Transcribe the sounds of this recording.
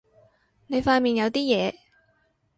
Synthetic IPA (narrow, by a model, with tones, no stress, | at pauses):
ne˨˧jfaː˧nmiː˨˩njɐ˨˧wt̪iː˥jɛː˨˧